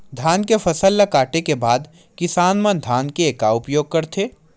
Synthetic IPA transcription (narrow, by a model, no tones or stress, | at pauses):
d̪ʱaːnkefʰɐsəlːakaːʈekebaːd̪ | kɪsaːnmənd̪ʱaːnkeeːkaʊpjoːɡ̚kɐɾt̪ʰeː